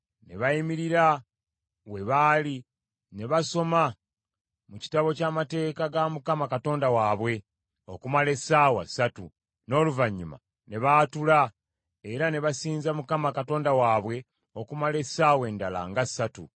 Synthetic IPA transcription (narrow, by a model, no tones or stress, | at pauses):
ne̞̰βaimiɾiɾa | we̞βaːli | ne̞βaso̞ma | muci̥taβo̞caːmate̞ːkaɡamukamakato̞ːndawaːβwe̞ | o̞kumale̞saːwa̰satu | no̞ːluvaɲːuma̰ | ne̞βaːtula | eɾane̞βasiːnzamukamakato̞ːndawaːβwe̞ | okumale̞saːwe̞ːndala̰ŋɡasːatṵ